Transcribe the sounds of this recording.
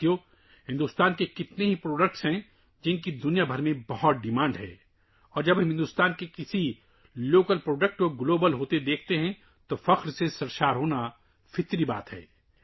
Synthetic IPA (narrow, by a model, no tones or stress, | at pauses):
jo | ɦɪ̃nd̪ʊst̪aːnkekɪt̪neɦipɾoːɖək̚ʈsɦɛ̃ | d͡ʒɪnkid̪ʊnijabʱɐɾmẽbɐɦɔt̪̚ɖɪmãːɳɖɦɛ̰ː | ɔːɾd͡ʒɐbɪ̃nd̪ʊːst̪aːnkekɪsi | loːkəlpɾoːɖək̚ʈkoɡloːbəlɦoːt̪ed̪eːkʰt̪eɦɛ̃ | t̪ofɐqɾsesɐɾʃaːɾɦoːna | fʰɪt̪ɾiba̰ːt̪ɦɛ̰ː